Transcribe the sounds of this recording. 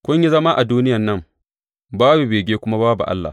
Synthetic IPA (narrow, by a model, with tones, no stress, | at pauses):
kʷʊ˦ɲ˦i˦zɐ˦ma˦ʔa˨duː˦nɪ˦jɐ˨nːɐ˦˨m | baː˦bu˨beː˨ɡʲeː˦kʷʊ˦ma˦baː˦bṵ˨ʔa̰˦lːa̰˨